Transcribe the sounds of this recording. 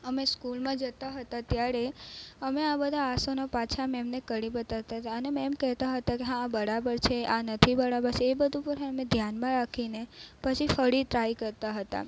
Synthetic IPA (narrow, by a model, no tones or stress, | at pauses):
əmeskulmãd͡ʒət̪aɦət̪at̪jaɾeəmeabəd̪ʱaːsonapat͡ʃʰamemnekəɽibət̪aʋt̪aɦət̪aənemɛmkɛɦt̪aɦət̪akeɦãːbəɾabəɾt͡ʃʰeʔanət̪ʰibəɾabəɾt͡ʃʰeːbəd̪ʱupəɾɦeəmed̪ʱjanmãɾakʰinepət͡ʃʰifəɽiʈɾajkəɾt̪aɦət̪a̰